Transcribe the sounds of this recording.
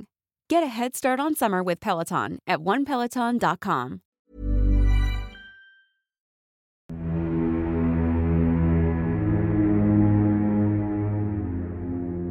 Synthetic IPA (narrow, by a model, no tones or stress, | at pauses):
ɡ̥ɛɾɨɦɛd̥stɑɹɾn̩sʌmə˞wɨð̥pʰɛlˠətʰɑ̰̃nʔɨt̚wʌ̃npʰɛlˠətʰɑ̃ndɑt̚kʰɑ̰̃m